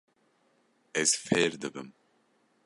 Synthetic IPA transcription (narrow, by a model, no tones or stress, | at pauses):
ɛzfeːɾd̪ɨbɨm